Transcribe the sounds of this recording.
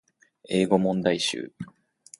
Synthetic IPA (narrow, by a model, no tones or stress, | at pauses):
e̞ːɡo̞mõ̞nd̪aiɕɨ̰ː